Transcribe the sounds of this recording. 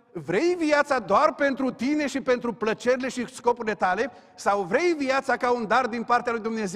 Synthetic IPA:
vɾe̞jviat̪sad̪oarpe̞nt̪ɾut̪ine̞ʃipe̞nt̪ɾuplət͡ʃe̞ɾile̞ʃisko̞puɾile̞t̪ale̞ | sawvɾe̞jvijat̪sakaund̪ard̪inpart̪ealujd̪umne̞ze

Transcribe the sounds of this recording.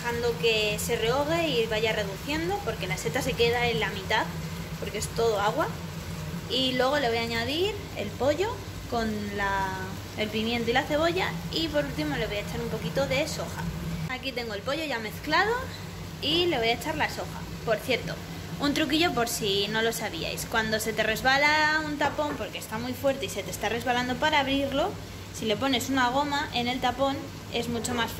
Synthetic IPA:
xand̪o̞ke̞se̞reo̞ɣ̞e̞iβaʝare̞ðuθje̞nd̪o̞po̞ɾke̞laese̞t̪ase̞ke̞ðaelamĩt̪að | po̞ɾkee̞st̪o̞ðo̞aɣ̞wa | ilwe̞ɣ̞o̞le̞βo̞jaɲaðiɾ | e̞̰lpo̞ʝo̞ | ko̞nla | e̞lpimjẽnt̪oilaθe̞β̞o̞ʝaipo̞ɾult̪imo̞le̞βo̞jaet͡ʃaɾumpo̞kit̪o̞ðe̞so̞xa̰akit̪e̞ŋɡoe̞lpo̞ʝo̞ʝame̞θklað̞o̞ | ileβo̞jaet͡ʃaɾlaso̞xa̰ | po̞ɾθje̞ɾt̪o̞̰ | unt̪ɾuk̬iʝo̞po̞ɾsino̞lo̞saβia̰jskwand̪o̞se̞t̪e̞re̞zβalaunt̪apo̞mpo̞ɾkest̪amujfwe̞ɾt̪e̞ise̞t̪est̪are̞zβaland̪o̞paɾaːβɾiɾlo̞ | sile̞po̞ne̞sunaɣ̞o̞maʔene̞lt̪apo̞n | e̞zmut͡ʃo̞mas

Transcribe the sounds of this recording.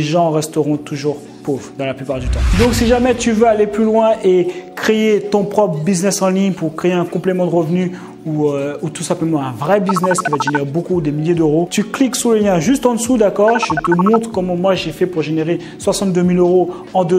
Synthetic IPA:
eʒɑ̃ʁɛst̪əʁɔ̃t̪uʒuʁ | povʁd̪ɑ̃laplypaʁd̪yt̪ɑ̃d̪ɔ̃ksiʒamɛt̪yvøaleplylwɛ̃ʔekχeet̪ɔ̃pχɔpχəbiznɛsɑ̃liɲpuʁkχeeɛ̃kɔ̃plemɑ̃d̪əʁəvny | uøut̪usɛ̃pləmɑ̃ɛ̃vʁɛbiznɛskʲivad̪əʒeneʁebokud̪emiljed̪øʁot̪ykliksuləljɛ̃ʒyst̪ɑ̃d̪əsud̪akɔʁʒət̪əmɔ̃t̪χə̥kɔmɑ̃mwaʒefɛpuʁʒeneʁe | swasɑ̃t̪̚d̪ømiløʁo | ɑ̃d̪ə

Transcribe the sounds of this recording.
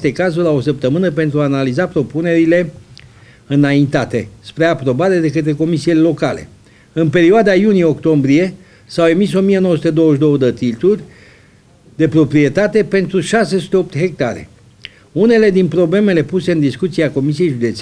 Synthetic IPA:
st̪e̞kazuɾʲao̞səp̚t̪əmɨnəpe̞nt̪ɾuaːnalizapɾo̞pune̞ɾile̞ | ɨnaint̪at̪e̞̰spɾeapɾo̞baɾe̞d̪e̞kət̪ɾe̞ko̞misilelo̞kale̞̰ | ɨnpe̞ɾioad̪ajunijeo̞kt̪o̞mbɾie̞ | sawe̞miso̞mijeno̞wəsut̪ed̪o̞wəʃd̪o̞wəd̪ət̪it̪urʲ | d̪e̞pɾo̞pɾie̞t̪at̪e̞pe̞nt̪ɾuʃase̞su̥t̪eop̚t̪ɦe̞k̚t̪aɾe̞̰ | une̞le̞d̪inpɾo̞ble̞me̞le̞puse̞ɨnd̪iskut̪siako̞misije̞jʒud̪e̞t̪s

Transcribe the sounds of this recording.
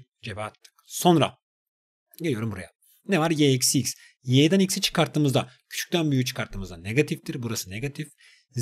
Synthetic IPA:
d͡ʒebɛat̪ʰːɯ̥kso̞nɾa̰ | ɟelʲijo̞ɾumbuɾa̰ja | nevaɾjeɛcsics | jejd̪ænicsit͡ʃʰɯ̥kaɾt̪ʰɯmɯzd̪a | cʰy̥t͡ʃʰy̥ct̪ʰænbyjyt͡ʃʰɯ̥kʰaɾt̪ʰɯmɯzd̪aneɡat̪ʰift̪iɾbuɾasɯneɡat̪ʰif | z

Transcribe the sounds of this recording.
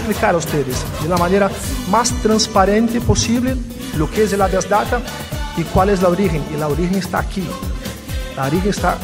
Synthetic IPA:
splikaɾaust̪eðesd̪elamaneɾa | mast̪ɾãnspaɾẽnt̪eposiβle | lokeezelaβjazd̪at̪a | ikwalezlaoɾixeŋilaoɾixeŋest̪a̰ːkʰi | laoɾixeŋest̪a̰

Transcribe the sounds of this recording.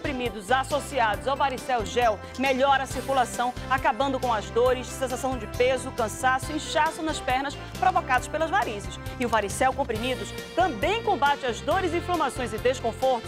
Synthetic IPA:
õpɾimid̪ʊzasosiad̪ʊzawvaɾisɛwʒɛw | meʎɔɾɐsiɾkulasɐ̃w̃akabɐ̃nd̪ʊkõw̃ɐzd̪oɾɪssẽsasɐ̃w̃d͡ʒɪpezʊkɐ̃sasʊĩʃasʊnɐspɛhnɐs | pɾovokad̪ʊspelɐzvaɾizɪsɪʊvaɾisɛwkõpɾimid̪ʊst̪ɐ̃bẽj̃kõbat͡ʃɪɐzd̪oɾɪzĩflɐ̃masõj̃zɪd̪eskõfoɾt̪ʊ̥

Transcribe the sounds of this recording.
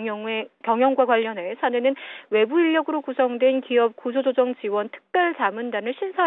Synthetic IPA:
ekjʌŋjʌŋɡwakwaʎːʌne̞sʰanwenɯnwe̞buiʎːʌɡɯɾokusʰʌŋdwe̞nkiʌp̚kusʰod͡ʑod͡ʑʌŋt͡ɕiwʌntʰɯ̥k̚p͈jʌɭt͡ɕamɯndanɯɭɕʰinsʰʌ

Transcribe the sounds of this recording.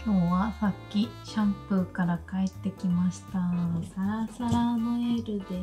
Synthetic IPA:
jo̞ːβasakʲːiɕãmpɯ̟kaɾakae̞t̪ːe̞kʲimaɕi̥t̪aɡaɾasaɾanoeɾɯ̟d̪e

